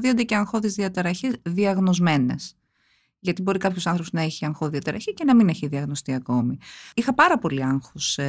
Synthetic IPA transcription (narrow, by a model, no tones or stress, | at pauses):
ðiond̪eceɐŋxo̞ðizðiɐt̪ɐɾɐçizðiɐɣno̞zme̞ne̞̰s | ʝɐt̪ibo̞ɾikɐpçosɐnθɾopoznɐeçiɐŋxoðiɐt̪ɐɾɐçice̞nɐmine̞çiðiɐɣno̞st̪iɐko̞miixɐpɐɾɐpo̞liɐŋxos